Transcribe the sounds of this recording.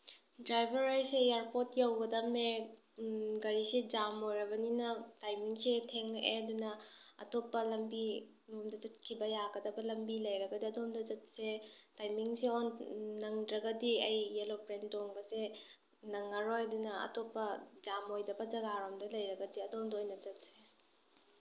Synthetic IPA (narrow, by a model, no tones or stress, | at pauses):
dɾajbʱɐɾajsejaɾpotjawɡɐdɐme | ɡɐɾisid͡ʒamojɾɐbɐninɐtajmiŋsetʰeŋeɐdunɐɐ̰topːɐlɐmbi | nomdɐd͡ʒɐt̚kʰibɐjaɡɐdɐbɐlɐmbilɐjɾɐɡɐdiɐdomdɐd͡ʒɐt̚setajmiŋsionnɐŋdɾɐɡɐdiɐjːelopɾendoŋbɐse | nɐŋːɐɾojɐdunɐɐ̰topːɐd͡ʒamojdɐbɐd͡ʒɐɡaɾomdɐlɐjɾɐɡɐdiɐdomdojnɐd͡ʒɐt̚se